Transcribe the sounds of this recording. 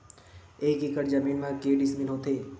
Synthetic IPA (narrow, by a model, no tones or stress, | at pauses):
eːkikəɾd͡ʒəmiːnmãkeːɖɪsmɪnɦoːt̪ʰeː